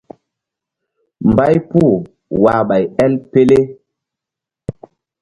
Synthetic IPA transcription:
m˨ba˦jpu˦˨ | wa˨ɓa˨jɛ˦lpe˦le˦

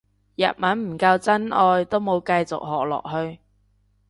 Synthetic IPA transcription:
jɐ̰˨t̚mɐ˨˥nm̩˨˩kɐ˧wt͡sɐ˥nʔɔː˧jt̪o˥wmo˨˧wkɐ˧jt͡sʊ̰˨k̚hɔ̰ː˨k̚lɔ̰ː˨k̚ɦɵ˧ɥ

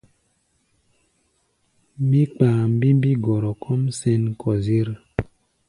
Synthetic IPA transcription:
mi˦k͡paː˨m˦bi˦m˦bi˦ɡɔ˨ɾɔ˨kʰɔ˦msɛ˦nkʰɔ˨ze˦ɾ

